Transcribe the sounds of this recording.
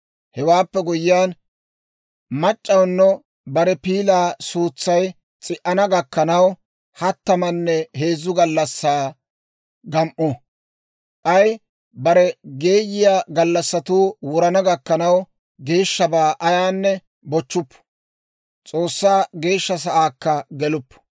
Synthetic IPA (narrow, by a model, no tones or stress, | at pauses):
hɛwaːpːɛɡʊjɪjaːn | mɐt͡ʃʼːɐwnːɔ | bɐɾɛpiːlaːsuːt͡sːɐj | t͡sʼɪʔɐnɐɡɐkːɐnɐw | hɐt̪ːɐmɐnːɛhe̞ːzʊɡɐlːɐsːaː | ɡɐmʔɔ | ʔɐj | bɐɾɛɡe̞ːjɪjaːɡɐlːɐsːɐt̪uːwʊɾɐnɐɡɐkːɐnɐw | ɡe̞ːʃːɐbaːʔɐjaːnːɛ | bɔt͡ʃːʊpːʊ̥ | t͡sʼo̞ːsːaːɡe̞ːʃːɐs̬ɐʔaːkːɐɡɛlʊpːʊ̥